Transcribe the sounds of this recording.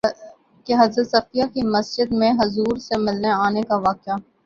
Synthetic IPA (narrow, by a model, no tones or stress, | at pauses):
keɦɐzɾət̪sɐfijakimɐsd͡ʒəd̪mẽɦʊzuːɾsemɪlneaːnekaʋaːkɪaː